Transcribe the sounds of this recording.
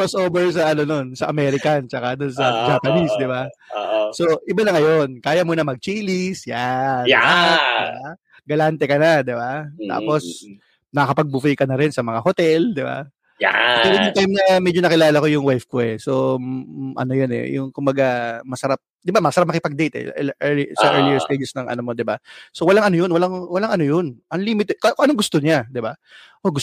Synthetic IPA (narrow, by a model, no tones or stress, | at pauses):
osʔoːbɛɹs̬ɐʔɐno̞no̞nsɐʔɐmɛɾɪkɐnt͡ʃɐkad̪ʊnsɐd͡ʒaːpɐnisd̪ɪba | so̞ʔɪbanɐŋɐjo̞nkaːjɐmunɐmɐɡ̚t͡ʃiːlisjaaba | ɡɐlant̪ɛkɐnad̪ɪbat̪a̰ːpo̞s | nɐkɐpɐɡ̚bufijkɐnɐɾɛnsɐmɐŋahot̪ɛld̪ɪba̰ | aɛɪnʊŋt̪ajmnɐmɛd͡ʒonɐkɪlaːlɐko̞jʊŋwɛjfkoʔɛso | ʔɐ̰nojonɛ̰jʊŋkʊmbɐɡamɐsɐɾap̚d̪ɪbamɐsɐɾap̚mɐkɪpɐɡ̚d̪ɛjt̪ɛ̰ʔɛisɐʔɛɹlijɛɹst̪ejd͡ʒɛsnɐŋʔɐ̰nomo̞d̪ɪbaso̞wɐlaŋʔɐnojonwɐlaŋwɐlaŋɐnojonʔɐŋliːmɪt̪ɛd̪̚kokʔɐnoŋɡʊst̪oɲad̪ɪba | ʔoɡʊ